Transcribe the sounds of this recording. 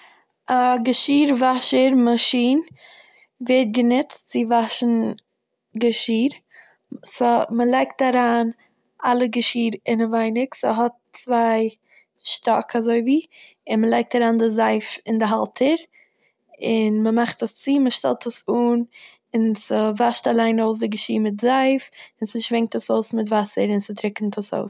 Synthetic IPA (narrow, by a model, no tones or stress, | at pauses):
aɡəʃiːɾvaʃəɾmaʃiːn | vɛt̚ɡənɪt͡stt͡sɪvaʃn̩ | ɡəʃiːɾ | sməlˠaɪk̚taɾaːn | ʔalˠəɡəʃiːɾɪnəvaɪnɪksə̰ɦɔt̚t͡svaɪ | ʃtɔkʰazoɪviː | ɪnməlˠaɪk̚taɾaːndɪzaɪfɪndɪɦalˠtʰəɾ | ɪnməmaχtəst͡siːməʃtɛ̰lˠtʰəsuːn | ɪnsəvaʃtalˠaɪnoʊs̬dɪɡəʃiːɾmɪtzaɪfɪnsɪʃvɛŋk̚təsoʊsmɪtvasəɾɪnsɪtɾɪkn̩tʰəso̰ʊs